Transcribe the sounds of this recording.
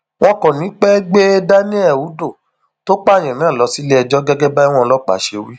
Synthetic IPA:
wɔ̃˦kɔ̃˨nĩ˨˦k͡pɛ˦ɡ͡be˦da˦nĩ˦ɛ˦˨wu˨˦do˦˨ | to˦k͡pa˦˨j̃ĩ˨nãː˦˨lɔ˨˧si˦le˦ɛ˧d͡ʒɔ˦ɡɛ˦ɡɛ˦ba˦i˦w̃ɔ̃˦˧lɔ˦k͡pa̰˨˦ʃe˧wi˦

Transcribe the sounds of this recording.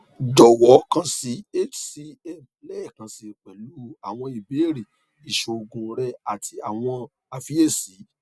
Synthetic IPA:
dɔ˨wɔ˨˦kã˦si˨˧e˦˨t͡ʃsi˧ɛ˦˨m | lɛ˦ɛ˦˨kã˧si˧˨k͡pɛ˨lu˦a˨w̃ɔ̃˧i˨be˨˦ɾi˨ | i˨ʃo˨˧ɡũ˧ɾɛ˧a˨tʰi˧a˨w̃ɔ̃˧ | a˨˧fi˦e˦˨si˨˦

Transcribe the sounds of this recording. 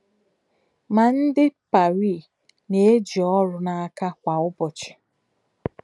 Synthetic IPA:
ma˨n̩˦dɪ˦pa˨ɾi˦˨ | ne˨˦e˦d͡ʒi˨ɔ˦ɾʊ˦na˨a˦ka˦kʷa˨ʊ˦bɔ˨t͡ʃɪ̥˨

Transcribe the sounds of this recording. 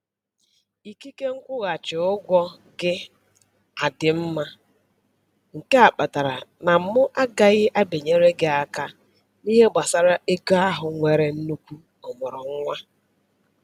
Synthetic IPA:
i˨ki˦ke˦ŋ̩˦kʷʊ˦ɣa˨t͡ʃɪ˨ʊ˦ɡʷɔ˦ | ɡɪ˦ | a˨dɪ˨m̩˦ma˦ | ŋ̩˨ke˦a˨k͡pa˨ta˨ɾa˨na˨m̩˦mʊ˦ʔa˦ɡa˨ɣɪ˦ʔa˦be˨ɲe˦ɾe˦ɡɪ˦a˨ka˦ | ni˦ɦe˦ɡ͡ba˨sa˦ɾa˦ʔe˦ka˦a˦ɦʊ˨ŋʷe˨ɾe˨n̩˦nu˦kʷu˦ | ʊ˨mʊ˨ɾʊ˨ŋ̩˦ŋʷa˦

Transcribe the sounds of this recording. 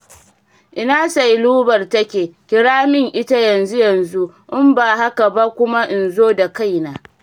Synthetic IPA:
ʔɪ˦naː˦sa˨jluː˦bɐ˨rtɐ˦kʲeː˨kʲɪ˦ɾaː˦mɪ˦˨ŋʔɪ˦ta˦jɐ˨nzu˦jɐ˨nzu˦ | ʔɪ˦mbaː˨ha˦ka˨ba˦kʷʊ˦ma˦ʔɪ˨nzoː˦da˨ka˦˨jnaː˦

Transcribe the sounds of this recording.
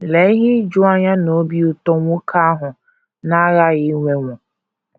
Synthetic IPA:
le˨˦i˦ɦi˦d͡ʒʊ˦a˦ɲa˦no˨˦bi˦u˨tɔ˦ŋʷʊ˦kʰa˦ɦʊ˨ | na˦ɣa˦ɣɪ˨˦ŋʷe˨ŋʷɔ̃˨

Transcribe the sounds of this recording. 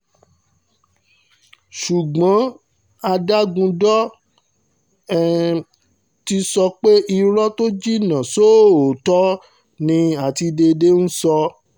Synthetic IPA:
ʃu˨ɡ͡bã˨˦ | a˧da˦ɡũ˧dɔ˦˨ | ti˧sɔ˧k͡pe˦i˧ɾɔ˦to˦d͡ʒi˦nã˨so˦˨o˨tɔ˦ | nĩ˧a˨ti˧de˧de˦n̩˦sɔ˧

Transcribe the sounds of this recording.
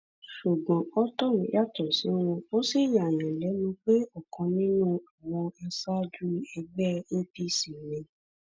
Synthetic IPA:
ʃu˨ɡ͡bɔ̃˨ɔ˦tɔ˦˨nĩ˨˦ja˦˨tɔ˦˨sĩ˨˦w̃ɔ̃˧o˦si˦˨ja˨nĩ˨lɛ˨˦nũ˧k͡pe˦ɔ˦˨kɔ̃˧nĩ˦nũ˦˨wɔ˧ɛ˧sa˦d͡ʒu˦ɛ˧ɡ͡bɛ˦ñ̩˦ti˧si˨nĩ˨˧

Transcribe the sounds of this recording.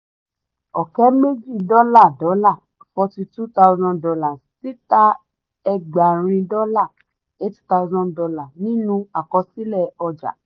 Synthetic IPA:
ɔ˨kɛ˦me˦d͡ʒi˦˨dɔ˦la˦˨dɔ˨˦la˦˨ | fɔ˧ti˧tu˦ta˦u˦zɔ̃˧ndɔ˧la˨ssi˨˦ta˦ | ɛ˧ɡ͡ba˨ɾ̃ĩ˧dɔ˦la˦˨ | e˦ti̥˦ta˧u˧zɔ̃˦dɔ˧la˨nĩ˦nũ˧˦a˨kɔ˧si˦lɛ˦˨ɔ˧d͡ʒa̰˨

